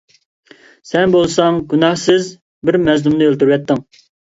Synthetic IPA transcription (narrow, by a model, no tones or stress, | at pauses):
sɛnbolˠsɑŋɡʲynɑhsɪz | bɪɾmɛznumnɨølˠt̪uɾwɛt̪ːɪŋ